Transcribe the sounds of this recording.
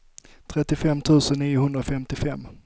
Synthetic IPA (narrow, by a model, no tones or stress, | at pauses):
t̪ʰɾɛt̪ːɪfɛmːt̪ʰʉ̟ːsənːiːjʊhɵnd̪ɾafɛmt̪ɪfɛmː